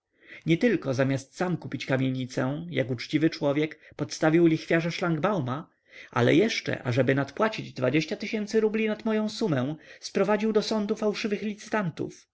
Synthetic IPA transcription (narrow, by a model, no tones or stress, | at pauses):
ɲɛt̪ɘlkɔzamʲjast̪samkupʲit͡ɕkamʲjeɲit̪sɛ̃ja̰kut͡ʂt͡ɕivɘt͡ʂwɔvʲjɛkpɔt̪st̪avʲiwlʲixfʲjaʐaʂlaŋɡbawma | ʔa̰lɛ̰jɛʂt͡ʂɛ̰ʔa̰ʐɛbɘnat̪pwat͡ɕid͡ʑd̪vad͡ʑeɕt͡ɕat̪ɘɕɛnt̪sɘɾublʲinat̪mɔjɔ̃w̃sumɛ̃spɾɔvad͡ʑiwd̪ɔsɔnd̪ufawʂɘvɘxlʲit̪sɘ̥t̪ant̪ṵf